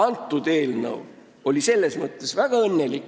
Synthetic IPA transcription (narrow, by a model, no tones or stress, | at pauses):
ɑnt̪ːˑud̪̥e̞ːlnɤ̰w | o̞lʲise̞lːe̞smɤt̪ˑːesvæɡ̥ɑɤnːe̞lik